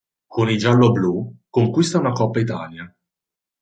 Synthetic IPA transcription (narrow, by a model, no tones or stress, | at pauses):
konid͡ʒalːoblukoŋkwist̪aunakɔpːait̪̬aːlja